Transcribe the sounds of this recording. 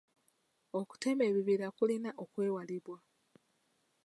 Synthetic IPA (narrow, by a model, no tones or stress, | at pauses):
oku̥te̞me̞βiβiɾakulinaʔokwe̞ːwaliβwa